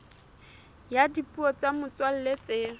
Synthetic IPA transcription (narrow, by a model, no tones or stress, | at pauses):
jadipʼuɔt͡samʊt͡swal̩let͡seː